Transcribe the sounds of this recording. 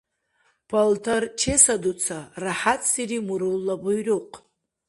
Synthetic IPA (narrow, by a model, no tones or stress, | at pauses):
pʰaltʰart͡ʃʰesadut͡sʰaraħat͡sʰʼsirimuɾulːabujruqʼ